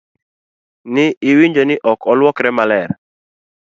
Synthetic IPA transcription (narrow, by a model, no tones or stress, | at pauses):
nɪɪwiɲd͡ʒɔnɪʔɔkʰɔlwɔkɾɛmalɛɾ